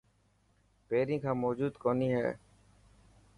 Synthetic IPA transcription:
peːɾĩːkʰãːmɔːd͡ʒuːd̪koːniːɦɛ̰ː

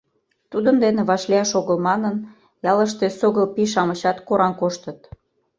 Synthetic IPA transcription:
t̪ud̪ənd̪eneβɑʃliɑʃoɣəlmɑnən | jɑləʃt̪esoɣəlpiʃ̬ɑməɕɑt̪koɾɑnkoʃt̪ət̪

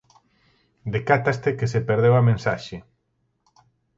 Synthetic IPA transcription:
d̪ekat̪ast̪ekesepeɾð̞ewamẽnsaʃe

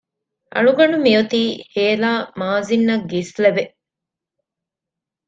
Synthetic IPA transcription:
ʔɐ̰ɭuɡɐɳumiot̪iːheːlaːmaːzinːɐɡːislebe

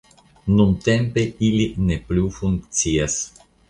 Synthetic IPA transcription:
nunt̪e̞mpe̞ilineplufuŋkt͡sias

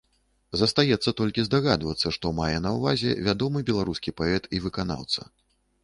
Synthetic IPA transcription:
zɐst̪ajɛt̪sːɐt̪ɔlʲkʲizd̪aɣad̪vɐt̪sːɐʂt̪ɔmajɛnɐwvazʲɛ̰vʲad̪ɔmɨbʲɛlˠaɾuskʲipaɛt̪ivɨkana̰wt̪sɐ̰

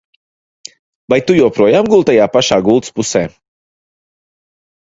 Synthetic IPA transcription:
vajt̪ujɛwpɾuɔjaːmɡulˠt̪ajaːpaʃaːɡulˠt̪spusɛː

